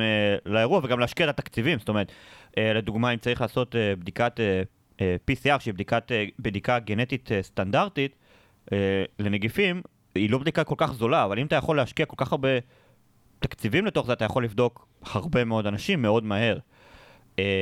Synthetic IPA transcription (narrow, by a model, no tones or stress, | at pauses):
elaeʁuaveɡamleaʃkiatat̪akt͡sivimstoe̞ʁet̪ʔeled̪uɡmaimt͡saʁiχlaːso̞t̪ebd̪ikat̪e | episiaʁʃeibd̪ikat̪ebd̪ikaɡene̞t̪it̪est̪andaʁt̪it̪ | ele̞neɡifim | ilo̞bd̪ikako̞lkaχzo̞laːvalimat̪ajaχo̞leaʃkiako̞lkaχaʁbe̞ | t̪akt͡sivimle̞t̪o̞χzeat̪ajaχo̞lːivd̪o̞k | haʁbe̞meo̞d̪anaʃimːe̞o̞dmaɦe̞ʁ | e